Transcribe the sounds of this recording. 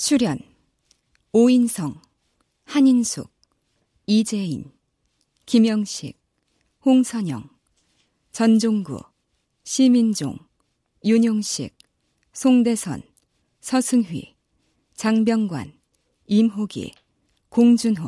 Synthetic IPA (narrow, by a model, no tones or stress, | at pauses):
t͡ɕʰuɾjʌn | oinsʰʌŋ | haɲinsʰuk̚ | id͡ʑe̞in | kimjʌŋɕʰḭk̚ | hoŋsʰʌɲʌŋ | t͡ɕʌnd͡ʑoŋɡṵ | ɕʰimind͡ʑo̰ŋ | juɲoŋɕʰḭk̚ | sʰoŋde̞sʰʌ̰n | sʰʌsʰɯŋɦɥḭ | t͡ɕaŋbjʌŋɡwa̰n | imɦoɡḭ | koŋd͡ʑunɦo